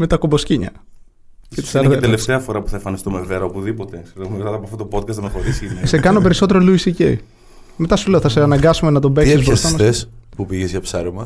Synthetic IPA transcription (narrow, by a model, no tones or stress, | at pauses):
me̞t̪ɐkombosciɲɐ̰ | cei̥sɐɾt̪eleft̪eɐfo̞ɾɐpu̥θɐeɱfɐnist̪umeveɾɐopuðipot̪eseɾoumet̪ɐt̪ɐpoɐft̪ot̪opo̞t̪̚kɐst̪ɐmxoɾisiinesekɐno̞pe̞ɾiso̞t̪̬e̞ɾo̞luisicḛ | met̪ɐsuleoθɐseɐnɐŋɡɐsume̞nɐt̪o̞beksizbɾɐsɐmɐθespupiʝezʝɐpsɐɾimɐ